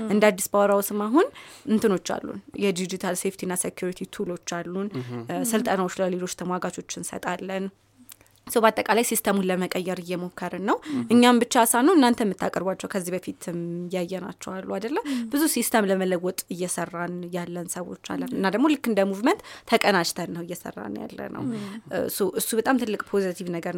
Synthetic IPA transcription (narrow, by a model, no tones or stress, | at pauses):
ʔɨnd̪ad̪ːisbawɾawsɨmaɦunɨnt̪ʰɨno̞t͡ʃːa̰lːṵnjɛd̪id͡ʒit̪ʰalse̞ft̪ʰinːasekʰjuɾit̪ʰit̪ʰulo̞t͡ʃːalːunsɨlt̪ʼənawo̞t͡ʃːləle̞lo̞t͡ʃːt̪ʰəmwaɡat͡ʃʼo̞t͡ʃːɪnsə̰t̪ʼalːən | səwbat̪ʼːəkʼalajsist̪ʰəmunləməkʼəjːɛɾɨjːɛmo̞kʰːəɾɨnːəwʔɨɲːambɨt͡ʃːasanuɨnːant̪ʰəmːɨt̪ʰːakʼəɾbʷwat͡ʃːɛwkʰəzːibəfit̪ʰɨmjajːɛna̰t͡ʃːɛwalːuad̪əlːəwbɨzusist̪ʰəmləmələwɔt̪ʼɨjːɛsərːanjalːənsəwo̞̰t͡ʃːa̰lːənɨnːad̪əɡmolɨkːɨnd̪əmuvmənt̪ʰːəkʼənat͡ʃt̪ʰənːəwɨjːɛsə̰rːa̰nja̰lːə̰nə̰wsəwʔɨsːubət̪ʼamt̪ʰɨlːɨkʼpʰo̞zit̪ʰivnəɡəɾ